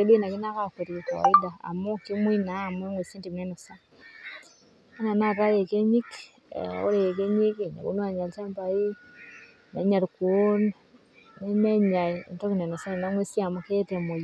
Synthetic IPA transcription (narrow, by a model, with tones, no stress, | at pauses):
e˦bi˦na˨ki˦na˦ka˦ke˨ɾi˨ka̰˨i˦da˨a̰˨mɔ˦ki˦mu˦i˦naː˨˦˨m˦ɛ˦ŋwe˨si˦nti˨knɛ˦nɔ˨sa˦ | a˦na˨na˦˨ɾa˦je˨ke˦ɲi˦k | o̰˦ɾe˨je˨k̬e˦ɲi˦kna̰˨ko̰˦nu˦a˨ɲa˨lt͡ʃa˦mpa˨ji˦ | na˨˦ɲa˨ɾkwo˦n | nɛ˦mɛ˦ɲa̰˨ntɔ˦ki˨nɛ˨nɔ˨sa˦ni˨na˨˦ŋwe˦si˦a˨mɔ˦ke˦te˨mo˨j